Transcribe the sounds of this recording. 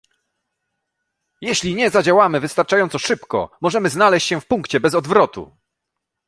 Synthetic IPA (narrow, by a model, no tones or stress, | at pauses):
jɛɕlʲiɲɛzad͡ʑawamɘvɘst̪aɾt͡ʂajɔnt̪sɔʂɘpkɔ̰mɔʐɛmɘznalɛɕt͡ɕɕɛ̃fpuŋkt͡ɕɛbɛzɔd̪vɾɔt̪ṵ